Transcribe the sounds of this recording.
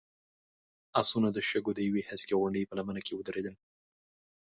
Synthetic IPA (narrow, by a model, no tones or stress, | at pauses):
asunad̪əʃəɡod̪əjawehaskaɣwaɳɖəjpəlamənakewəd̪əɾed̪əl